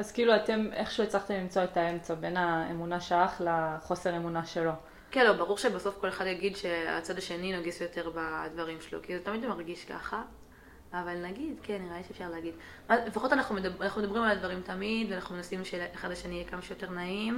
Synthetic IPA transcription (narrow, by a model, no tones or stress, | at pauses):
azkiiluate̞me̞χʃuet͡saχtemlimt͡soetae̞mt͡sabe̞naemunaʃaaχlaχo̞se̞ʁe̞munaʃe̞lo̞ | kenlobaʁuʁʃebaso̞fko̞le̞χadjaɡid̪ʃe̞a̰t͡sadaʃe̞ninoɡisjo̞te̞ʁbadvaʁimʃelo̰kizetamid̪maʁɡiʃka̰χaː | valnaɡidkenːiʁaiʃefʃaʁleaɡid | malefaχo̞t̪anaχnumedanaχnume̞d̪abʁimalad̪vaʁimtamidveanaχnumenasimʃeeχadlaʃenijɛkamaʃejote̞ʁnaim